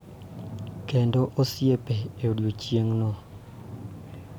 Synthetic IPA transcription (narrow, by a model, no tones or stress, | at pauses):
kendoʔosjepeeodot͡ʃjeŋnɔ